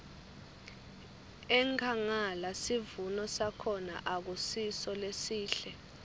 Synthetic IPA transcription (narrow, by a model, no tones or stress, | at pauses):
ɛŋkʰaŋalasivunɔsakʰɔna̰ʔak̬usisɔlesiːɬɛ